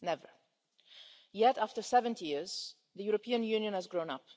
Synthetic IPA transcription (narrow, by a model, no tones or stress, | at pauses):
nɛvə̰˞ | jɛtæftə˞sɛvə̃ntijɪɹz̥ | ðɨjuɹɔpʰĩə̃njʉ̃ːnjə̃nhæzɡɹõʊ̃nʌp̚